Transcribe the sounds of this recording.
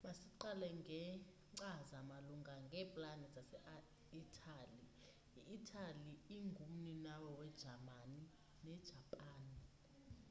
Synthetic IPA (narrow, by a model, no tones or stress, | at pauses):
masiǀalɛŋɡʱɛ | ŋ͡ǀazamaluŋʱaŋɡʱɛpʼlanɛzasɛʔ | itʰʼali | iʔːtʰʼaliiŋɡʱum̩ninawɔwɛd̥ʒ̥ʱamani | nɛd̥ʒ̥ʱapʼaːni